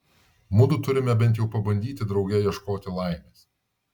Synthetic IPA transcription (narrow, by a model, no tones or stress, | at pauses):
mʊd̪ʊt̪ʊɾʲɪmʲɛbʲɛnt̪jɛʊpɐbɐnʲd̪ʲiːt̪ʲɪd̪ɾɒʊɡʲɛjiɛʃkoːt̪ʲɪlˠɑˑɪmʲeːs